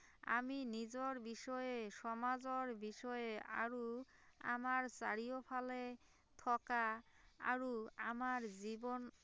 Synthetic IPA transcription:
a̰minid͡ʑoɾbiʃɔeʃɔmad͡ʑoɾbiʃɔea̰ɾu | a̰maɾsaɾiopʰale | t̪ʰɔka | a̰ɾuamaɾd͡ʑibon

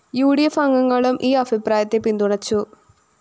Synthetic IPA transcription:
juːɽijɐfɐŋɡɐŋːɐɭumʔiːɐbʱipɾaːjɐt̪ːepind̪uɳɐt͡ɕːu

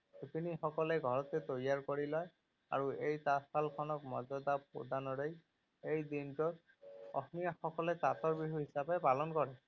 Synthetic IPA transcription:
supinixɔkɔlɛɡʱɔɹɔt̪ɛt̪ojaɹkoɹilɔj | a̰ɹuejt̪asalkʰɔnɔkmɔd͡ʒɔd̪apo̰d̪ʱanɔɾej | ejd̪intɔt | ɔ̰snijaxɔkɔlɛtat̪ɔɹbiɦuɦisabepalɔnkɔɹɛ

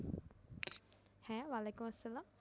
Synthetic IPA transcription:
hɛ̃ːʋalekumɐsːɐlaːm

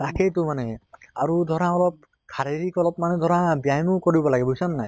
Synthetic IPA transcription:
taketʊmanɛaɹudʱɔɹaɔlɔp̚ | kʰaɹeɹikɔlɔp̚manɛdʱɔɹabijajnʊkoɹibɔlaɡɛbʱojsɔnːaj

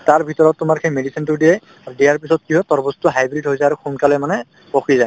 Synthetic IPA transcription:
taɹbʱitɔɹɔtːʊmaɹkʰejmedisintʊdijɛj | aɹudijaɹpisɔt̚kiɦɔjtɔɹbɔstuɦajbɹitɦojzajaɹukʰunkalɔjmanɛ | poxʰizaj

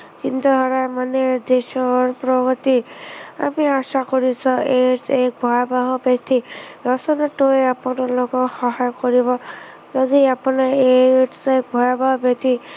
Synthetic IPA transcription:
t͡ʃint̪aɦɔɾajmaned̪esɔɾpɾɔɡɔt̪ia̰miasakɔɾisʰɔesek̚bʱɔjabaɦɔbjet̪ʰiɾɔsɔnaʈueapɔnalokɔxɔɦajɔkɔɾibɔ | zɔdiapɔnaeʈsek̚bʱɔjabaɦɔbjet̪ʰi

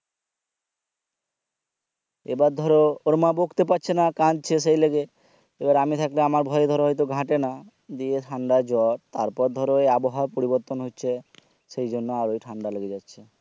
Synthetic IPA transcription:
ḛbaɾd̪ʱɔɾooɾmabokt̪epaɾt͡ɕʰenakãd͡ʒ̚t͡ɕʰesejleɡe | ebaɾamit̪ʰakleamaɾbʱɔjed̪ʱɔɾɦɔjt̪̬oɡʱãʈena | d̪ieʈʰaɳɖad͡ʑɔʈ̚t̪aɾpɔɾd̪ʱɔɾoeaboɦapoɾibɔɾt̪onɦotːɕʰe | ʃejd͡ʑonːoaɾojʈʰaɳɖaloɡed͡ʑatːɕʰe

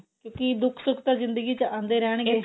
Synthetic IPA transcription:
kjõːkɪd̪ʊkʰsʊkʰt̪aːzɪ̃nd̪əɡiːt͡ʃəãːnd̪eːɾɛːɳ̃ɡe

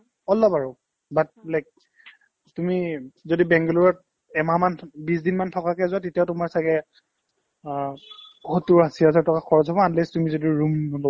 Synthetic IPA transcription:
ɔlɔbaɹɔ | bat̚lajk̚ | tumizodibɛŋɡɔluɹɔt̚ | ɛmamanbisdinmantʰɔkakɛzʊatetiaʊtʊmaɹsaɡɛ | hɔtuɹɦasiɦazaɹtʰɔkaxʰɔɹɔzɦɔbɔantlɛstumizodiɹumlo

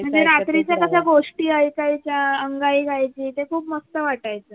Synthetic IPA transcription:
m̤əɳd͡zeɾat̪ɾit͡ɕjakəsaɡoʂʈiːaikait͡ɕjaəŋɡaiːɡʱajt͡ɕiːt̪ekʰuːpməst̪əʋaʈajt͡sə

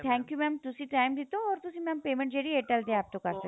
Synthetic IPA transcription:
t̪ʰɛ̃ːŋkjumɛ̃ːmt̪ʊsĩʈaːɪmd̪it̪oɔːɾt̪ʊsĩmɛːmpeːmɛ̃ɳʈ̚d͡ʒeɽieːʈɛld̪eẽaːp̚t̪okɐɾsɐk

